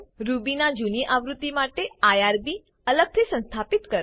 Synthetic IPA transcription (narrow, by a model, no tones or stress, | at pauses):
ɾubinad͡ʒuniʔaʋɾut̪ːimaʈeajaɾbi | ələɡ̚t̪ʰisə̃nst̪ʰapit̪kəɾ